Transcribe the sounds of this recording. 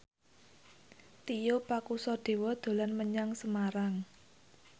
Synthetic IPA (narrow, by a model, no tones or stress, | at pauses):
t̪ijopakusɔɖ̪̥e̤wɔd̪̥o̤lanməɲaŋsəmaɾaŋ